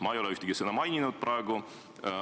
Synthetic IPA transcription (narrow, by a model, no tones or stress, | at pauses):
mɑejo̞leyht̪eɡ̥isɤnɑmɑjninud̪̥̚prɑeɡ̥u